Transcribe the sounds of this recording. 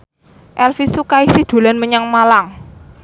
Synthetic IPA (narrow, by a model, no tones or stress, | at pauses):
ʔɛlfisukaisid̪̥o̤lanməɲaŋmalaŋ